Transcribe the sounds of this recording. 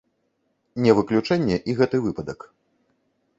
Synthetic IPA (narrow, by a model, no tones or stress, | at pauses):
nʲɛvɨklʲut͡ʂɛnʲːɛʔiɣɛt̪ɨvɨpɐd̪ɐk